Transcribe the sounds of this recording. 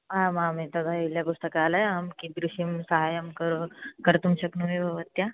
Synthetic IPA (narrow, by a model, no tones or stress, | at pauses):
ɦãmãmit̪ɐd̪ʱailjakust̪əkaːlajamkid̪ɾuɕimsəɦajəmkəɾokəɾt̪umɕɐknuʋibʱɐʋət̪ːja